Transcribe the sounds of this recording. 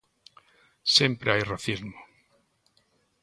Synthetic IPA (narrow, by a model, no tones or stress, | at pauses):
sjempɾeajraθizmo